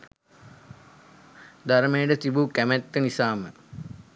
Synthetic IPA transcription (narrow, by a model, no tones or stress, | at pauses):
d̪aɾəmejəɖət̪ibukæmæt̪ːənisaːmə